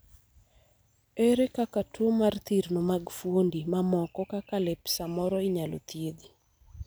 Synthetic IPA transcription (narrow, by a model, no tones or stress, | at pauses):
eɾekakatʰomart̪iɾnomaɡfwondimamɔkɔkakalɛpsamɔɾɔiɲalo̰t̪jed̪i